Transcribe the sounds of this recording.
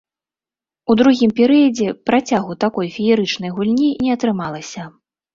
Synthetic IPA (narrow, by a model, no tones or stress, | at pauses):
ud̪ɾuɣʲimpʲɛɾɨjɐd͡zʲɛpɾʔat͡sʲaɣut̪akɔjfʲijʲɛɾɨt͡ʂnɐjɣulʲnʲinʲɛɐt̪ɾɨmalˠɐsʲɐ